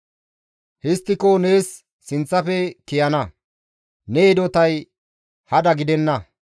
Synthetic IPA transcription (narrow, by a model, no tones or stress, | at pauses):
hɪst̪ːɪkone̞ːsː | ɪnt͡sːɐfɛkɪjɐnɐ | neɛd̪ɔt̪ɐj | hɐd̪ɐɡɪd̪ɛnːɐ